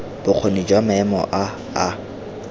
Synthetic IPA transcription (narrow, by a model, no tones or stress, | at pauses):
b̥ʊq͡χʰonid͡ʒwamaɛmɔ̰ʔa | a